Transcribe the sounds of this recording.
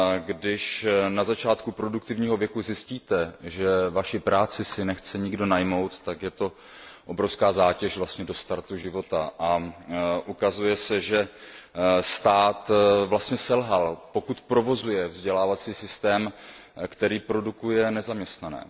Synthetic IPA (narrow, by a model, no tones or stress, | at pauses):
ɡdɪʃnazat͡ʃaːt̪kupɾo̞duk̚t̪ɪvɲiːɦo̞vjɛkuzɪsciːt̪ɛʒɛvaʃɪpɾaːt͡sɪsɪnɛxt͡sɛɲɪɡdo̞najmo̞wt̪ːakjɛt̪o̞ | ʔo̞bɾo̞fskaːzaːcɛʃvlast̪ɲɛdo̞st̪aɾt̪uʒɪvo̞t̪aʔa | ʔukazujɛsɛʒɛ | st̪aːt̪vlast̪ɲɛsɛlɦalpo̞kut̪pɾo̞vo̞zujɛvzɟɛlaːvat͡siːsɪst̪ɛːmkt̪ɛɾiːpɾo̞dukujɛnɛzamɲɛst̪nanɛ̰ː